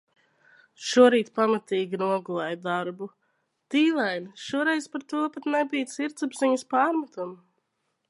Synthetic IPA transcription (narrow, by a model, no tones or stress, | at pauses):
ʃuɔɾiːt̪pamat̪iːɡʲinuɔɡulˠɛjd̪aɾbu | t̪iːlˠɛjnʃuɔɾɛjzpaɾt̪uɔpat̪nɛbijt̪siɾt̪sabziɲəspaːɾmat̪um